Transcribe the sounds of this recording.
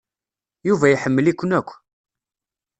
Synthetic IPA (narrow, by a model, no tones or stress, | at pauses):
juvæjħəmːəlikʷːənækʷː